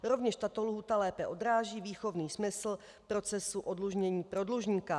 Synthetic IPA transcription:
ɾo̞vɲɛʃt̪at̪oluɦuːt̪alɛːpɛʔo̞d̪ɾaːʒiːviːxo̞vniːsmɪsl̩ | pɾo̞t͡sɛsuʔo̞dluʒɲɛɲiːpɾo̞dluʒɲiːka

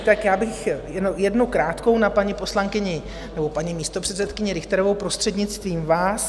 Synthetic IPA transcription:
t̪akjaːbɪxjɛnojɛdnowkɾaːt̪ko̞wnapaɲɪpo̞slaŋkɪɲɪ | nɛbopaɲimiːst̪o̞pr̥ɛt̪t͡sɛt̪kɪɲɪɾɪxt̪ɛɾovowpɾost̪r̥ɛdɲɪt͡st̪viːmvaːs

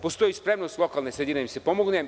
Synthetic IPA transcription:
post̪o̞jispɾemnost̪lˠo̞kalˠnesed̪iːɾeisepomoɡne

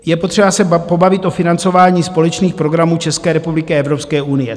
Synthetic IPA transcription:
jɛpo̞t̪r̝̥ɛbasɛpo̞bavɪt̪ʔo̞fɪnant͡so̞vaːɲiːspo̞lɛt͡ʃniːxpɾo̞ɡɾamuːt͡ʃɛskɛːɾɛpublɪkɪɛvɾo̞pskɛːʔunɪjɛ

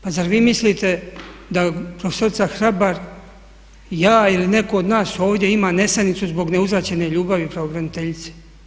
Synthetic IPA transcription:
pazaɾʋiːmislit̪e̞d̪apɾofeso̞ɾit̪saxɾabaɾ | jaːiline̞ko̞ːd̪naːso̞ːʋd̪je̞imaːne̞st̪anit̪suzbo̞ɡne̞uzɾat͡ɕe̞ne̞ʎuːbaʋipɾaoɡɾanit̪eʎit̪se̥

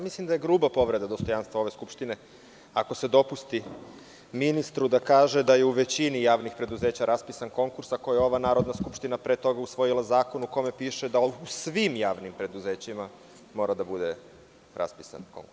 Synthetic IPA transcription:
mislimd̪aje̞ɡɾuːbapo̞ʋɾe̞d̪ad̪o̞st̪o̞janst̪vʋao̞ʋeskupʃt̪ine̞ | ako̞se̞d̪o̞pust̪i | minist̪ɾud̪akaːʒe̞d̪ajeuʋe̞t͡ɕinijaːʋnixpɾe̞d̪uzeːt͡ɕaɾʔaspisanko̞ŋkuɾsako̞jeo̞ʋanaːɾo̞d̪naskupʃt̪inapɾeːt̪o̞ɡausʋo̞jilˠazaːko̞nuko̞me̞piːʃed̪ausʋimjaːʋnimpɾe̞d̪uzeːt͡ɕima | mo̞ːɾad̪abud̪e | ɾʔa̰spisa̰nko̞̰ŋkuɾs

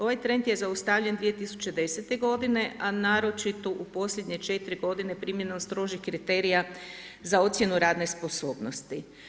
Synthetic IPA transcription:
o̞ʋajt̪ɾe̞nt̪je̞zaust̪aʋʎʲe̞nd̪ʋije̞t̪isu̥t͡ɕe̞d̪e̞set̪e̞ɡo̞d̪ine̞ʔanaːɾo̞t͡ʃit̪o̞ʔupo̞sʎʲe̞d̪ɲe̞t͡ʃe̞t̪ɾiɡo̞d̪ine̞pɾimje̞nomst̪ɾo̞ːʒixkɾit̪e̞ɾija | zao̞t̪sʲje̞nuɾaːd̪ne̞spo̞so̞ːbnost̪i

